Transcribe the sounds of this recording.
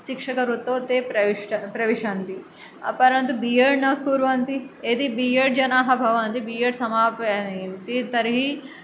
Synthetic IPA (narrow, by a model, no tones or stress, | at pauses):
ʃikʂɐkɐɾut̪oːt̪eːpɾɐʋiʂʈɐpɾɐʋiʂant̪i | pɐɾɐnt̪ubijɐɽnɐkːuːɾʋɐːnt̪ied̪ibijɐɽd͡ʒɐnaːɦɐbʱɐʋɐːnt̪ibiːjɐɽsɐmaːpɐnt̪it̪ɐɾiɦi